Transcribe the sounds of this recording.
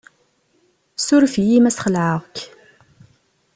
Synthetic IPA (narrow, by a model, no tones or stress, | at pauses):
sʊɾfjimæsχəlʕəʁk